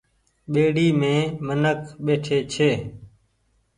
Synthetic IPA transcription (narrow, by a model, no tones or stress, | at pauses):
ɓeːɽiːmẽːmənəkɓeːʈʰeːt͡ʃʰeː